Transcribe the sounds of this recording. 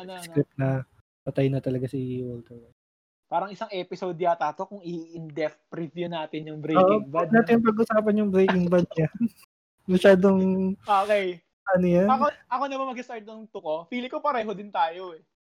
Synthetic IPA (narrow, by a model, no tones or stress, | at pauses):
ɐnskɾɪp̚nɐ | pɐt̪ɐjnɐt̪ɐlɐɡasiwɔlt̪ɛɹwɐ | paːɾɐŋɪsɐŋʔɛpɪsod̪jat̪aːt̪okʊŋɪɪnd̪ɛfpɾɪt̪jʊnaːt̪ɪnjʊŋbɾejokːʔoŋb̪naːt̪ɪjʊŋpɐɡʔʊsaːpɐnjʊŋbɾejkkɪŋbɐd̪̚ɲa | mɐʃaːd̪oŋʔoːkej | ʔɐnojanɐkoɐkonɐbɐmɐɡɪst̪aɹt̪̚nɐŋt̪ʊkofiːlɪkopɐɾɐjɦod̪ɪnt̪aːjoɛ